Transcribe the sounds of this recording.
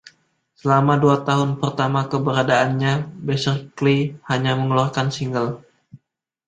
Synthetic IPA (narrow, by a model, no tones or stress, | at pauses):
səlamaduat̪aɦʊnpərt̪amakəbəɾadaːnɲabɛsərklihaɲaməŋəluarkansiŋɡəl